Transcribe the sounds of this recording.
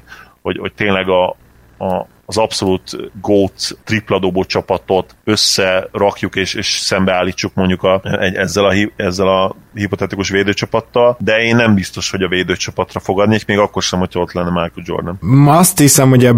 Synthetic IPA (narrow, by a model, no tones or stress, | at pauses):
ho̞ɟho̞̰c̚t̪eːnlɛɡɒː | zɒpso̞lut̪ɡoːt̪sːriplɒd̪oboːt͡ʃɒpɒt̪o̞t̪ø̞sːɛrɒkjukeːʃeːʃsɛmbɛaːlːiːt͡ʃːukmo̞ɲɟukɒʔɛɟɛzːɛlɒɦiɛzːɛlɒɦipo̞t̪ɛt̪ikuʃʋeːd̪øːt͡ʃɒpɒt̪ːɒld̪ɛeːnːɛmbist̪o̞ʃho̞ɟɒveːd̪øːt͡ʃɒpɒt̪rɒfo̞ɡɒd̪neːkmeːɡɒkːo̞rʃɛmho̞cʰɒot̪lɛnːɛmarkud͡ʒo̰rnɛlmɒst̪hisɛmho̞ɟɛ